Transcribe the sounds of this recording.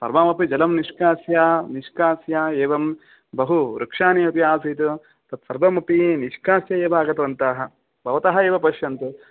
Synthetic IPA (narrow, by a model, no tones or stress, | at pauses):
pɐ̰ɾmaːmɐpid͡ʒɐlɐmniʂkaːsjaːniʂkaːsjaːeːʋɐm | bɐɦuɾɐkʂaːniɐpijaːsit̪u | t̪ɐt̪sɐɾʋɐmɐpiniʂkaːsjɐeːʋaːɡɐt̪ɐɾɐnt̪aːɦɐ̆ | bʱɐʋɐt̪ɐɦɐeːʋɐpɐʃjɐnt̪u